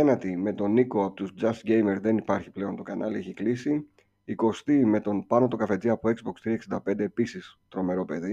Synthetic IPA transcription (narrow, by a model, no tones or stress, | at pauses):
enɐt̪ime̞t̪o̞niko̞ɐpot̪uzd͡zɐsɟe̞jme̞ɾðe̞nipɐɾçi̥ple̞o̞nt̪o̞kɐnʔɐlieçiklisi | iko̞st̪ime̞t̪o̞npɐno̞t̪o̞kɐfe̞d͡ziɐpoe̞kzbo̞kst̪ɾiɐksind̪ɐpe̞nd̪e̞ːpisist̪ɾo̞me̞ɾo̞pe̞ði